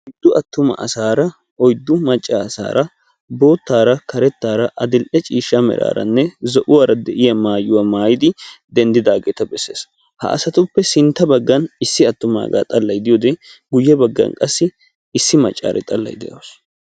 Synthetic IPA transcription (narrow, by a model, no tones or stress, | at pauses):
ɔjd̪ːʊɐt̪ːʊmɐ̰ʔɐsaːɾɐ | ɔjd̪ːʊmɐt͡ʃʼːaːɐsa̰ːɾɐ | bo̞ːt̪ːaːɾɐkɐɾɛt̪ːaːɾɐʔɐd̪ɪlʔɛt͡ʃʼiːʃːɐmɛ̰ɾa̰ːɾɐ̰nːɛzɔʔʊwaːɾɐd̪ɛʔɪjɐmaːjʊwamaːjɪd̪ɪd̪ɛnd̪ɪd̪aːɡe̞ːt̪ɐbɛsːeːs | hɐ̰ʔɐ̰sɐt̪ʊpːɛsɪnt̪ːɐbɐɡːɐnɪsːɪɐt̪ːʊma̰ːɡa̰ːt̪ʼɐlːɐjd̪ɪjoːd̪ɛɡʊjːɛbɐɡːɐ̰nkʼɐsːɪ | ɪsːɪmɐt͡ʃʼːa̰ːɾʔɛ̰t̪ʼɐlːɐ̰jd̪ɛ̰jɐws